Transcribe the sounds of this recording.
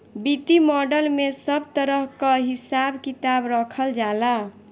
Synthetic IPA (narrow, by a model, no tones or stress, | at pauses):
bit̪imɔɖəlmesəb̚t̪əɾəɦkəɦisabkit̪abɾəkʰəld͡ʒala